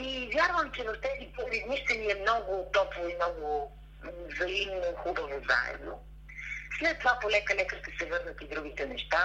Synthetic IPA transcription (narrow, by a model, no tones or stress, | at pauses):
ivʲjaɾvəmt͡ʃɛvɐft̪ɛzipovid̪niʃt̪ɛniɛmnɔɡʊt̪ɔpvoimnɔɡʊ | zɐimnˠoxubəvoza̰ɛ̰d̪no̰ | slɛt̪ːovapolɛkəlʲɛkəɾt̪əsɛvɤɾnɐt̪id̪ɾuɡ̟it̪ɛnɛʃt̪a